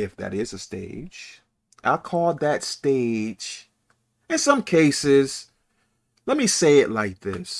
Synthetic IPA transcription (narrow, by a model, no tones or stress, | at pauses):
ɪfðɨ̰ɾɪzɨstḛɪ̥d͡ʒ | ʔaɪkʰɔlˠd̪̚ðɨtsteɪ̥d͡ʒ | ɨ̃nsʌ̃mkʰeɪsɪz̥ | lɛt̚miseɪɨʔˡlaɪk̚ðɪ̰s